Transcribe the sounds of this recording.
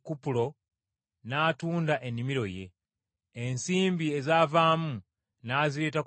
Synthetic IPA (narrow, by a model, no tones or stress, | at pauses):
kupulo̞ | naːtuːndaʔe̞nːimiɾo̞je̞̰ | ensiːmbie̞zaːvaːmu | naːziɾe̞ːta